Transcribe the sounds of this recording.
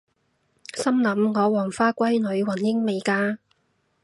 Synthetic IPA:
sɐ˥mlɐ˨˧mŋɔː˨˧wɔː˨˩ŋfaː˥kʷɐ˥jnɵ˨˧˥ɥwɐ˨˩njɪ˥ŋme˨˧jkaː˧

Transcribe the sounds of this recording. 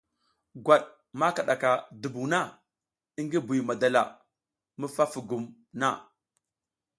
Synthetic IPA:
ɡʷa˨ɗ | ma˦ka˨ɗa˨ka˨du˨bu˨na˦ | i˦ŋɡi˦bu˨ma˨da˨la̰˨ | mə˦fa˦fu˨ɡu˨m | na̰˦

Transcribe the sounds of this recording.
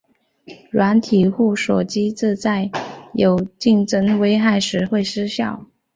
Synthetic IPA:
ɻwa˧˥nt̪ʰi˨˩xu˥˩ʂɔ̰˨˩t͡ɕi˥t͡s̩˥˧t͡sa˥˩ɪjo˨˩ʊt͡ɕi˥˩ŋʈ͡ʂə˥ŋwe˥ɪxa˥˩ɪʂɻ̩˧˥xwe˥˩ɪʂɻ̩˥ɕjɑ˥˩ʊ

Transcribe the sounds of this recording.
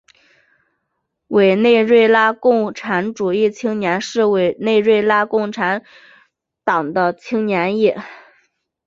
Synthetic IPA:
we˨˩ɪne˥˧ɪɻwe˥˧ɪla˥kʊ˥˩ŋʈ͡ʂʰa˧˥nʈ͡ʂu˨˩i˥˩t͡ɕʰi˥ŋnjɛ˧˥nʂɻ̩˥˩we˨˩ɪne˥˧ɪɻwe˥˧ɪla˥kʊ˥˩ŋʈ͡ʂʰa˧˥n | t̪ɑ˨˩ŋd̪ə˦t͡ɕʰi˥ŋnjɛ˧˥nji˥˩

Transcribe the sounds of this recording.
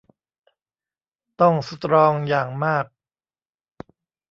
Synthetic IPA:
t̪ɔ˥˩ŋsu˦˥t̪ɾɔː˧ŋjaː˨˩ŋmaː˥˩k̚

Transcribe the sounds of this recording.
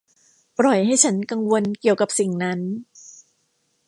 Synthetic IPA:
pɾɔ˨˩jɦa˥˩jt͡ɕʰa˦˥nka˧ŋwo˧nki˨˩əwka˨˩p̚si˨˩ŋna˦˥n

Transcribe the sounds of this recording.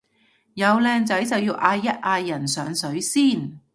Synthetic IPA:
jɐ˨˧wlɛː˧ŋt͡sɐ˨˥jt͡sɐ˨wjiː˧wʔaː˧jːɐ˥t̚ʔaː˧jːɐ˨˩nsœː˨˧ŋsɵ˨˥ɥsiː˥˩n

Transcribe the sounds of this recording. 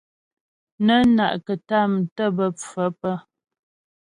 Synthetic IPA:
nə˦na̰˨ʔkə˨ta˦˨m˨tə˦˨bə˨p͡fə˨˦pə˦

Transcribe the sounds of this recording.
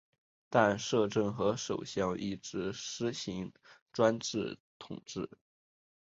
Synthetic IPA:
t̪a˥˧nʂɤ˥˧ʈ͡ʂɤ˥˩ŋxɤ˧˥ʂo̰˨˩ʊɕjɑ˥˧ŋi˥˩ʈ͡ʂɻ̩˧˥ʂɻ̩˥ɕi˧˥ŋʈ͡ʂwa˥nʈ͡ʂɻ̩˥˩t̪ʰʊ̰˨˩˦ŋʈ͡ʂɻ̩˥˩

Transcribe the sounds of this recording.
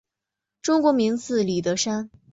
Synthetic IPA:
ʈ͡ʂʊ˥ŋkwɔ˧˥mi˧˥ŋt͡sʰɹ̩˥˩li˨˩t̪̬ɤ˧˥ʂa˥n

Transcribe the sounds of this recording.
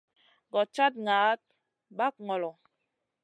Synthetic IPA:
ɡɔ˨t͡ʃa˦t̚ŋaː˨˦t̚ | ba˦k̚ŋɔ˨lɔ˨

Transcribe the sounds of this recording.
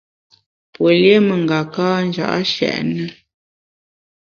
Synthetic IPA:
pwə˨lje˦mə˨ŋɡa˨kaː˦n̩˦d͡ʒa̰˨ʔa̰˦ʃɛ̰˨ʔnə˦

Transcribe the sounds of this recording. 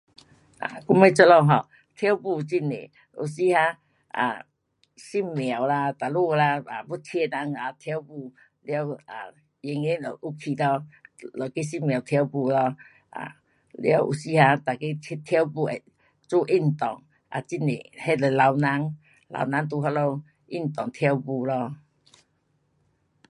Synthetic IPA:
ʔa̰˨ku˧˦me˧˦t͡sɔ˧lɔ˧ɦɔ˧˩ | t̪ʰja˦wpu˧t͡ɕi˦˧nḛ˨ | ṵ˨˩si˧ha˧˦ | ʔa̰˨ | si˥˩mmja˨˩wla˧t̪a˨˩lu˥˧la˧a˨bu˦t̪ʰjɛ˧na˧˦ŋa˨t̪ʰja˧˦wpu˧˨ | lja˧˦wa̰˨ | je˧ŋe˦lɔ̰˨ʔu˧˦kʰi˧˨lɔ˧lɔ˨˩ki˦si˦˥mj̃a˨˩wt̪ʰja˧˦wbu˧lɔ˧ | ʔa̰˨ | lja˧˦wʔṵ˨si˧˦ha˧t̪a˨˩ki˦˧t̪ʰja˧˦wbu˧e˨ | t͡su˦˧˦ʔi˦˩n˨t̪ɔ˨˩ŋ | ʔa̰˨˩t͡ɕi˦nḛ˨he˦lə˨˩la˧wna˧˦ŋ | la̰˧wna˧˦ŋt̪̬u˧ɦa˧lo˧ | ʔi˦˥˩n˨t̪ɔ˨˩ŋt̪ʰja˧˦wbu˧lɔ˧

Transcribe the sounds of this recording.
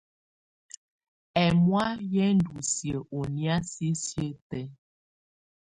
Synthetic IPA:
ɛ˨mwa˦jɛ˦n̩˦du˨sjə˨ʔo˨nja˦si˦sjə˦tɛ˦

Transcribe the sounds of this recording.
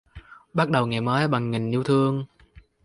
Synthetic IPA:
ɓa˦˥t̚ɗə˨˩wŋaː˨˩jməː˨˦jɓa˨˩ŋːi˨˩ŋ̟ʔi˧əwt̪ʰɨ˧əŋ

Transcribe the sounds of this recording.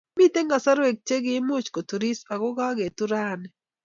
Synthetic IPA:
mi˦t̪e˦ŋɡa˨sa˦ɾwe˨k̚t͡ʃe˦ɡɪ˦mo˦t͡ʃko˨t̪u˨ɾi˦sa˨ɡɔ˦ɡa˦ɡe˨t̪u˦ɾa˦nɛ˨

